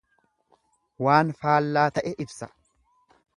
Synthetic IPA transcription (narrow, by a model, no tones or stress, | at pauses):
waːnfaːlːaːt̪ɐʔɛʔɪbsɐ